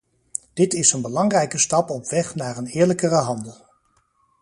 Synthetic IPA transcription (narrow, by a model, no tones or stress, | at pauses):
d̥ɪtɪsənbəlɑŋrɛjkəstɑpɔpʋɛχnaːɹənɪːɹləkərəɦɑndəlˠ